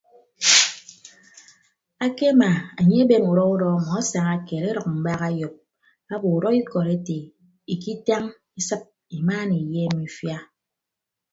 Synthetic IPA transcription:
a˦ke˦ma˨a˨ɲe˦e˦be˦mu˨ɾɔ˦u˦ɾɔ˦˨ŋ˨ɔ˦sa˨ŋa˦ke˨ɾe˦ɾɔ˨k̚m̩˨ba˦ɣa˦jo˨p̚ | a˦bo˨u˨ɾɔ˦i˦kɔ˨ɾe˦te˨ | i˨ki˦ta˦ŋ | i˦sɨ˦p̚ | i˨maː˦ni˨je˦mi˨fja˦

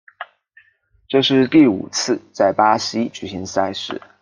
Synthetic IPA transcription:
ʈ͡ʂɤ˥˧ʂɻ̩˥˧t̪i˥˩ṵ˨˩t͡s̩ʰ˥˧t͡sa˥˩ɪpa˥ɕi˥t͡ɕy˨˩ɕi˧˥ŋsa˥˧ɪʂɻ̩˥˩

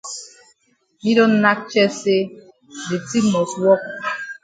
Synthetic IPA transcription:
mi˦do˦n˦na˦k̚t͡ʃɛ˦se˦ | di˨ti˦mɔ˨swɔ˦k̚

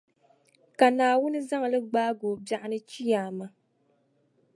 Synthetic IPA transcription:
ka˨naː˨wʊ˦nɨ˦za˦ŋa˨lɨ˦ɡ͡baː˦ɡoː˨bja˦ʔɪ˦nɨ˦t͡ʃi˦jaː˨ma˦

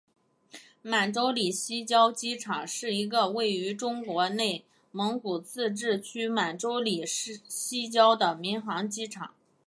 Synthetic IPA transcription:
ma˨˩nʈ͡ʂo˥ʊli˨˩ɕi˥t͡ɕjɑ˥ʊt͡ɕi˥ʈ͡ʂʰɑ˨˩˦ŋʂɻ̩˥˩i˧˥ɡə˧we˥˩ɪy˧˥ʈ͡ʂʊ˥ŋkwɔ˧˥ne˥˩ɪ | mɤ˧˥ŋku˨˩t͡sʰɹ̩˥˧ʈ͡ʂɻ̩˥˩t͡ɕʰy˥ma˨˩nʈ͡ʂo˥ʊli˨˩ʂ̩˥˩ɕi˥t͡ɕjɑ˥ʊd̪ə˨mi˧˥ŋxɑ˧˥ŋt͡ɕi˥ʈ͡ʂʰɑ̰˨˩˦ŋ

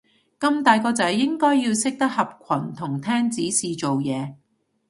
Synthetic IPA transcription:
kɐ˧mt̪aː˨jkɔː˧t͡sɐ˨˥jːɪ˥ŋkɔː˥jːiː˧wsɪ˥k̚t̪ɐ˥k̚hɐ˨p̚kʷʰɐ˨˩nt̪ʰʊ˨˩ŋt̪ʰɛː˥ŋt͡siː˨˥siː˨t͡ʃo˨wjɛː˨˧

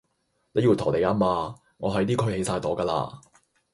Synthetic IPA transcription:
ne˨˧jiː˧wt̪ʰɔː˨˩ne˨˧ja˧˥maː˧ | ŋɔː˨˧ɦɐ˨˥jt̪iː˥kʰɵ˧jhe˨˥jsaː˧jt̪ɔː˨˥kaː˧la̰ː˧

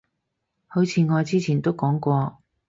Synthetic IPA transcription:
hɵ˨˥t͡sʰiː˨˧ŋɔː˨˧jt͡siː˥t͡sʰiː˨˩nt̪o˥wkɔː˨˥ŋkʷɔː˧

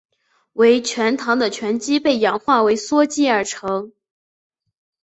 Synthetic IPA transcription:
we˧˥ɪt͡ɕʰɥɛ˧˥nt̪ʰɑ˧˥ŋd̪ə˧t͡ɕʰɥɛ˧˥nt͡ɕi˥pe˥˩ɪjɑ˨˩ŋxwa˥˩we˧˥ɪswɔ˥t͡ɕi˥ə˞˨˩ʈ͡ʂʰɤ˧˥ŋ

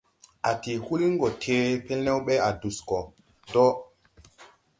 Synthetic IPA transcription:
a˨ti˨hu˦li˦ŋ˦ɡɔ˨tʰe˨pe˦lnɛ˦wɓe˦a˨du˨skɔ˨ | dɔ˦

